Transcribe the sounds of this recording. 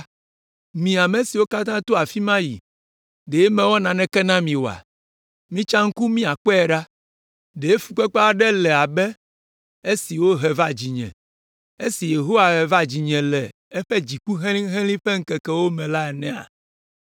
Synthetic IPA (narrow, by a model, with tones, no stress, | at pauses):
mĩ˨a˨me˨si˨wo˦ka˦t̪ã˦t̪o˦a˨fi˦mã˦jḭ˨ | ɖe˨e˦mɛ̃˨wɔ˦nã˨nɛ̃˦kɛ˦nã˦mĩ˨wo˨a̰˨ | mĩ˦t͡ʃã˦ŋ̩˦ku˦mĩ˦a˨k͡pɔ˦ɛ˨ɖa˦ | ɖe˨e˦fu˨k͡pɛ˦k͡pa˦ɖɛ˦lɛ˨a˨bɛ˦ | e˦si˨wo˦ɦɛ˨va˦d͡ʑi˨ɲɛ̰̃˨ | e˦si˨je˨ɦo˦wa˨ɦɛ˨va˦d͡ʑi˨ɲɛ̃˨lɛ˨ | e˦ɸɛ˦d͡ʑi˨ku˦ɦɛ̃˦lĩ˦ɦɛ̃˦lĩ˦ɸɛ˦ŋ̩˦kɛ˨kɛ˦wo˦mɛ̃˨la˦ɛ˨nɛ̃˦a̰˨